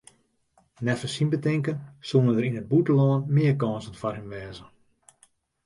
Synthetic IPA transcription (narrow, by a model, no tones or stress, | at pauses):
nɛfəsinbətɪŋkənsunəndəɾinəd̚butəlɔːnmɪəkɔːnsənfarɦimʋɛːzə